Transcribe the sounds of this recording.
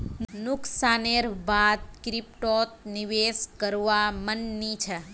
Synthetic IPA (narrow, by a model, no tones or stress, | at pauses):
nʊksaneɾbad̪̚kɾipʈot̪̚niʋeskəɾʋamənːit͡ʃʰɛ